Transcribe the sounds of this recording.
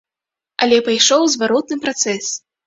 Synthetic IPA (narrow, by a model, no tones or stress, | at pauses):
ɐlʲɛpajʂɔwzvaɾɔt̪̚nɨpɾat̪sɛsʲ